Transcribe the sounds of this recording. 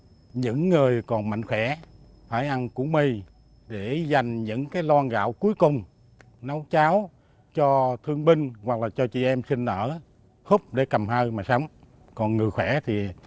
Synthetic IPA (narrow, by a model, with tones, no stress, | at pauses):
ɲɨ̰˧˥ŋːɨ˨˩əjkɔ˨˩nma̰˧˨jŋ̟xwɛ˧˩˥ | faː˧˩jʔa˧nkṵ˧˥˦mi˧˨˩ | ɗe˧˩za˨˩jŋ̟ɲɨ̰˧˥ŋkaː˨˦jlwɔː˧nɣa̰ː˧˨wku˨˦jkʊ˨˩ŋ͡m | na˨˦wt͡ɕaː˨˦w | t͡ɕɔ˧t̪ʰɨ˧əŋɓï˧ŋ̟wa˨˩k̚laː˨˩t͡ɕɔ˧t͡ɕḭ˧˨ʔɛ˧msï˧ŋ̟ʔəː˧˩ | hʊ˦˥p̚ɗe˧˩kə˨˩mɦa˧jmaː˨˩sa˨˧˦wŋ͡m | kɔ˨˩nŋɨ˨˩xwɛ˧˩˦t̪ʰi˨˩